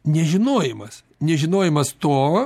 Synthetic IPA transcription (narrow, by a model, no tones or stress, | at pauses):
nʲɛʒʲɪnoːjɪmɐs | nʲɛʒʲɪnoːjɪmɐst̪oː